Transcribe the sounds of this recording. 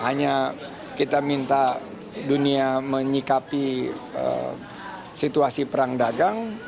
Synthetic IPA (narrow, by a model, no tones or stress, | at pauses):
ɦaɲa | kit̪amint̪a | duniaməɲikapiə̰ | sit̪uasipəɾaŋdaɡaŋ